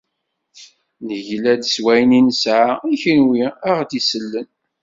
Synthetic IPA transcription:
nəʝlæd̪swæjninəsʕaiçənwiæʁd̪isəlːən

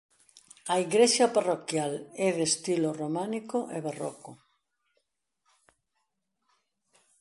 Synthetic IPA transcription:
aiɣɾesjaparokjalɛðest̪iloromanikoʔeβarɔ̰ko

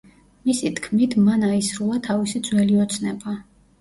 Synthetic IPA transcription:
misit̪ʰkʰmit̪ʰmanaisɾulˠat̪ʰavisid̪zwɛliɔt̪sʰnɛba

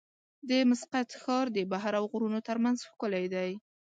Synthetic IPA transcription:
d̪əmʊsqat̪xɑɾd̪əbaɦaɾawɣʊɾunot̪əɾmanzxkʊlajd̪aj

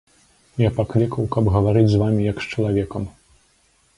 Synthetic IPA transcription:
japaklʲikɐwkɐbɣɐvaɾɨd͡zʲzvamʲijɐkst͡ʂɐlˠavʲɛkɐm

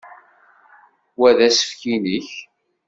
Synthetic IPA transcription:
wæðæsə̥fkiniç

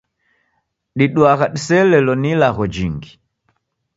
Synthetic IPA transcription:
ɗiɗwaɣaɗisɛlɛlɔnilaɣɔd͡ʒiŋɡi

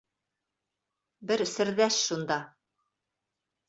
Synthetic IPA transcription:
bɘɾsɘ̆ɾðæʃʃund̪ɑ

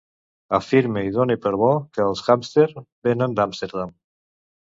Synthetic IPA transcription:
afiɾmeiðonepəɾβɔkəːlˠsɣamst̪eɾbenənd̪amst̪eɾðam

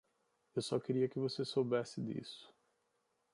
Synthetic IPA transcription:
ewsɔkeɾiɐkɪvosesowbɛsɪd̪ḭsʊ̥

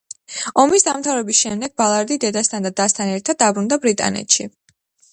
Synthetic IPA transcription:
ɔmisd̪amt̪ʰavɾɛbisʃɛmd̪ɛɡ̚balˠaɾd̪id̪ɛd̪ast̪ʰand̪ad̪ast̪ʰanɛɾt̪ʰad̪̚ːabɾund̪abɾit̪ʼa̰nɛ̰t̪ʃi

